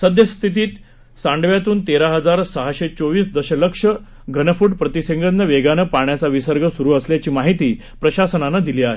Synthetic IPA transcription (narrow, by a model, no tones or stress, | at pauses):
səd̪ʱjəst̪ʰit̪iːt̪ | sãɳɖʋjat̪uːnt̪eɾaɦəd͡zaɾsəɦaɕet͡soʋiːsd̪əɕələkʂə | ɡʱənəfuːʈpɾət̪iseŋɡənːəʋeɡanəpaɳjat͡saʋisəɾɡʱəsuɾuːəsljat͡ɕiːmaɦit̪iː | pɾəɕasənanad̪iliːaɦe